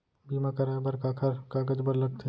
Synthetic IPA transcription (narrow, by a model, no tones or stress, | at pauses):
biːmakɐɾabɐɾkaːkʰɐɾkaːɡəd͡ʒbɐɾlɐɡ̚t̪ʰe